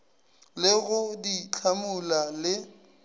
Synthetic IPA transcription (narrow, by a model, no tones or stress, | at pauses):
lɪɣʊdit͡ɬʰamʊlalɪ